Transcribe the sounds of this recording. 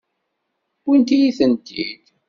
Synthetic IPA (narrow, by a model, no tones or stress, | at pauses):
wint̪ijiθənt̪ḭd̪̥